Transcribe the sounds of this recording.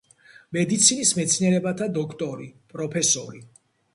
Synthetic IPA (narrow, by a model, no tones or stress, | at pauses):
mɛd̪it̪sʰinismɛt̪sʰniɛɾɛbat̪ʰad̪ɔkʰt̪ʼɔɾipʼɾɔpʰɛsɔɾi